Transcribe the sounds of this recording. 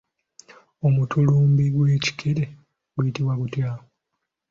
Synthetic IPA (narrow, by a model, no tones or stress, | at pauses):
omutuluːmbiɡwe̞ːci̥kʰeɾe | ɡujitiβwakutjao